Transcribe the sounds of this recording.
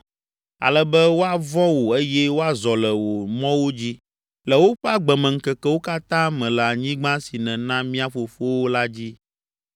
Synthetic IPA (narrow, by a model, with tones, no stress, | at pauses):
a̰˨lɛ˦bɛ˦wo˦a˨vɔ˦wo˨e˦jɛ˦wo˦a˨zɔ˨lɛ˨wo˨mɔ̃˦wo˦d͡ʑi˦ | lɛ˨wo˦ɸɛ˦a˦ɡ͡bɛ˨mɛ̃˨ŋ̩˨kɛ˨kɛ˦wo˦ka˦t̪ã˦mɛ̃˨lɛ˨a˨ɲĩ˦ɡ͡bã˦si˨nɛ̃˨nã˦mĩ˦a˨fo˨fo˦wo˦la˦d͡ʑi˦